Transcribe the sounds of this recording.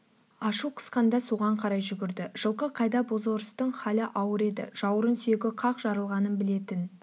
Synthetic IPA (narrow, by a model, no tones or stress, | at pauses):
ɑʃuqʰə̥sqɑnd̪ɑsuʁɑɴqʰɑɾɑjʒʏɡʲɪɾd̪ɪʒ̥əlˠqəqʰɑjd̪ɑbozoɾəst̪əɴχɑlɪʔɑwəɾe̞d̪ɪ̰ʒ̥ɑwəɾənsyjeɡʲɪqʰɑqʒɑɾəlˠʁɑnənbɪle̞t̪ɪn